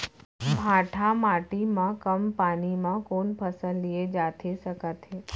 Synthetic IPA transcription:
bʱaʈʰamaʈimãkəmpanimãkoɳpʰəsəlied͡ʒat̪ʰesəkat̪ʰe

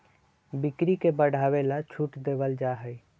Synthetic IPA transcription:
bɪkɾikebəɽ̤ʱaːʋelat͡ʃʰuʈd̪eʋəld͡ʒaɦəi

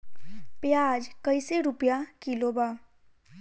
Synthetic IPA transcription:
pjaːd͡ʒkɐɪseɾʊpjakilobaː

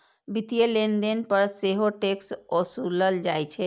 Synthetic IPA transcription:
bit̪ijelend̪enpəɾseɦoʈeksɔsuləld͡ʒaːjt͡ʃʰɛ

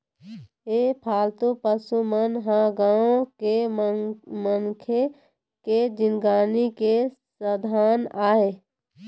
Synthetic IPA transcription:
epʰaːlt̪opəsumənɦãɡãoke | mənkʰe | ked͡ʒɪnɡaːnike | səd̪ʱaːnaːɦe

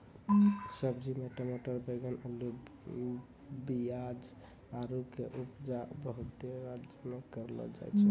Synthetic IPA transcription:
səbd͡ʒimeʈamoʈəɾbeɡənəlu | bijad͡ʒ | aɾukeʔupd͡ʒabəɦut̪eɾad͡ʒəmekəɾlɔ̰d͡ʒa̰jt͡ʃʰɛ

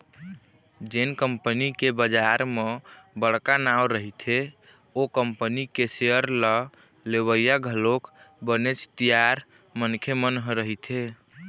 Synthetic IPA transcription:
d͡ʒenkəmpənikebəd͡ʒaɾmebəɽkanawɾəɦit̪ʰe | okəmpənikeseəɾlə | leβəjaɡʱəlokbənet͡ʃʰt̪ijaɾ | mənkʰemənɦɾəɦit̪ʰe

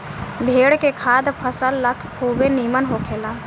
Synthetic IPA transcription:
bʱeɽkekʰad̪pʰəsəlːəkʰkʰubenimənɦokʰela

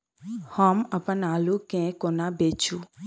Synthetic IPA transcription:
həməpənaːlukẽkonabet͡ʃu

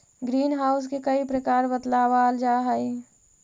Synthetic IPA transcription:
ɡɾiːnɦaːʊs̬kekəipɾəkaːɾbət̪laːʋaːld͡ʒaːɦəi

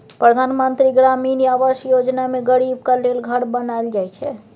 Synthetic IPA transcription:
pɾəd̪ʱanmənt̪ɾiɡɾaminiabəʃjod͡ʒnameɡəɾib̚kalelɡʱəɾbənaeld͡ʒajt͡ʃʰɛ

